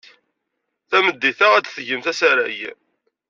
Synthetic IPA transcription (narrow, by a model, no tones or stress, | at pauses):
θæməd̪ːiθæʁæt͡s̪θʝəmθæsæɾæj